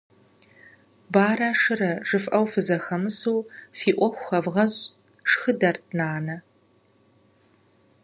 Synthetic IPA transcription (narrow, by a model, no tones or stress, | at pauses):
baːɾaːʂɨɾɐʈ͡ʂʼɨfʼʔɐwfɨzɐxɐmɨsoːfiːʔʷɔxʷxɐvʁɐɕʼ | ʂxɨdɐrtʰnaːnɐ